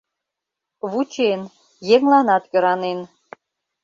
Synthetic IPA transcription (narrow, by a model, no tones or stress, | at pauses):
βut͡ɕen | jeŋlɑnɑt̪kø̆ɾɑnen